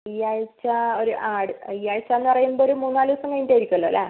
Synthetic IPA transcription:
ɐjːaːjt͡ɕːaoɾuʔaːɽɨɐijːaːjit͡ɕːanːɨpɐrɐjumboːɾumuːnːaːluɐsɐŋɡɐjniʈːejiɾikʲːuɐlːo̰ːlːa

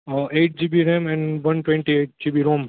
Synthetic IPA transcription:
ʔeːʈ̚d͡ʒiːbiɾẽmɛ̃nʋɐ̃nʈwẽɳʈieːʈ̚d͡ʒiːbiːɾõːm

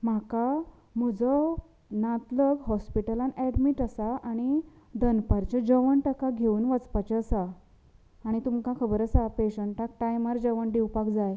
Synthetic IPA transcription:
m̤aka | m̤əd͡zə | nat̪ləɡɦɔspiʈəlãnɛɽmiʈəsaʔaɽ̃i | d̪ənpaɾt͡ɕəd͡ʑəʋəɳʈəkaɡʱeuːnʋət͡spat͡ɕeəsaː | ɽ̃it̪umkãkʰəbəɾəsapeɕəɳʈak̚ʈajmaɾd͡ʑəʋəɳɖiwpakd͡zaj

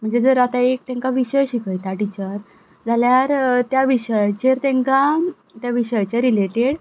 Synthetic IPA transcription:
m̤əɳd͡zed͡zəɾat̪aek̚t̪ẽŋkaʋiɕəjɕikəjt̪aʈit͡ɕəɾ | d͡zaljaɾt̪jaʋiɕəjt͡ɕeɾt̪ẽŋka | t̪jaʋiɕəjt͡ɕeɾileʈeɽ

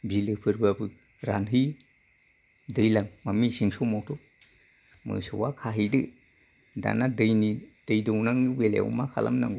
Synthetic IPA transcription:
bilɯpʰɯɾbabɯ | ɾanɦɯj | dɯjlaŋmamisiŋsowmawtʰo | mɯ̰sɯwakʰaɦijdɯ | da̰nadɯjni | d̥ɯjdɯwnaŋɯwelḛṵmakʰa̰lʔa̰mna̰ŋɡ

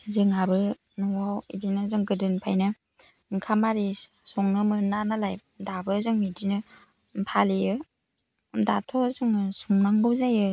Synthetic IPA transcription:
ziŋabɯ | nuwawḭdinazɯŋɡɯdɯnpʰa̰jnɯ | ŋkʰamaɾi | sɔŋnɯmɯnanalajp̚dabɯzɯŋmidinɯ | mpʰaliɯ | datʰɔzɯŋsuŋnaŋɡɯwzajɯ

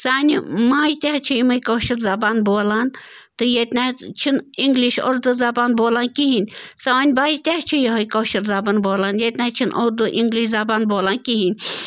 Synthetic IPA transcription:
saːnʲimaːjt̪ʲeɦt͡ʃʰijimɐjkoːʃiɾzɐbaːnboːlaːn | t̪ɨjet̪ʲnʲaːt͡ʃʰiniŋɡliʃo̰ɾd̪ɨzɐbaːnboːlaːnkiɦinʲsaːnʲbaːjt̪ʲeɦt͡ʃʰijɐɦɐjkoːʃiɾzɐbaːnboːlaːnjet̪ʲnʲaːt͡ʃʰinʔoːɾd̪ɨʔiŋɡliʃzɐbaːnboːlaːnkiɦinʲ

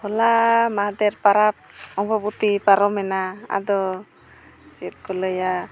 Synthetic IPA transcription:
hɔlamaɦd̪ɛɾpaɾap̚ɔŋbɔbut̪ipaɾɔmɛnaa̰d̪ɔ | t͡ʃɛt̪̚kɔləja

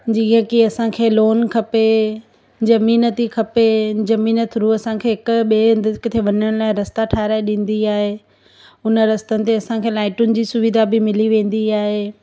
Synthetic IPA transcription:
d͡ʑiːɦə̃kiɐsãkʰeːloːnkʰɐpe | d͡ʑɐmiːnət̪ikʰɐped͡ʑɐmiːnət̪ʰʊɾuɐsãkʰeːɦɪkʊɓeːɪ̃nd̪əɪkt̪ʰeʋɐɲəɽ̃laːɪ̃ɾɐst̪aʈʰaːɾaːɪɗĩːn̆d̪iaːɦeː | ʊnə̆ɾɐst̪ənɪ̆t̪eɐsãkʰeːlaːɪʈʊnɪ̆d͡ʑiːsʊʋɪd̪ʱabɪmɪliʋẽːn̆d̪iaːɦeː

